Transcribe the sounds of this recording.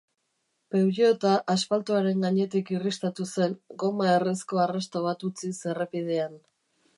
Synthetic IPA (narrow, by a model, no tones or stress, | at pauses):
pe̞wɾiot̪aʔaspalt̪uaɾe̞ŋɡaɲe̞t̪ikirist̪at̪use̞ŋɡo̞maeresko̞arast̪oβat̪ut͡sise̞repið̞e̞an